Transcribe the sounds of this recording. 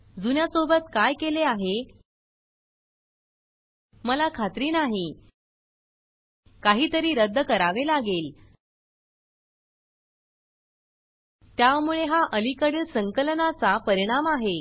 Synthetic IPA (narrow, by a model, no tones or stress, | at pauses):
d͡zunjasobət̪kajkeleaɦe | məlakʰat̪ɾiːnaɦi | kaɦiːt̪əɾiːɾəd̪ʱːəkəɾaʋelaɡel | t̪jamuɭeɦaʔəlikəɽəsəŋkəlnat͡sapəɾiɽ̃amaɦe